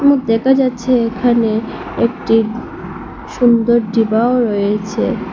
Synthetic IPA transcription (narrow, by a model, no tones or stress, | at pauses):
mut̪̚d̪ɛkʰad͡ʑatːɕʰeekʰane | ek̚ʈi | ʃund̪oɾɖibaoɾojet͡ɕʰe